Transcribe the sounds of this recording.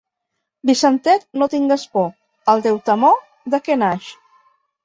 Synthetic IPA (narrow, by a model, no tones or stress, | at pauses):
bisənt̪ɛt̪not̪iŋɡəspɔ | əlˠt̪ɛwt̪əmɔ | d̪əkɛnaʃ